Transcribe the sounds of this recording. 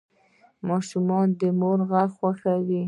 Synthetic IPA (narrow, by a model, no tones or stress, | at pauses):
mɑʃumɑnd̪əmoɾɣaxwaxawi